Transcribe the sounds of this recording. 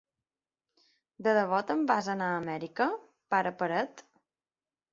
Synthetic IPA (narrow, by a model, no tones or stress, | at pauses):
d̪əðəβɔt̪əmbazənaːmɛɾikə | paɾəpəɾət̪